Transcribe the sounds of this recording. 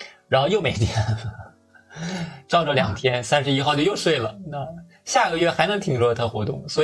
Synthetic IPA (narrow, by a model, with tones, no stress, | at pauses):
ɻa˧˥nxo˥˧ʊjo˥˩ʊme˨˩ɪt̪ʰjɛ˥n | ʈ͡ʂɑ˥˧ʊʈ͡ʂə˩ljɑ˨˩ŋt̪ʰjɛ˥nsa˥nʂɻ̩˧˥i˥xʊt͡ɕjjo˥˧ʊʂwe˥˩ɪlə˩na˥˩ | ɕja˥˩ɡə˩ɥɛ˥˩xa˧˥ɪnɤ˧˥ŋt̪ʰi˧˥ŋʂɔ˧˥d̪t̪ʰa˥xwɔ̰˧˥t̪ʊ̰˥˩ŋswɔ˧˥˧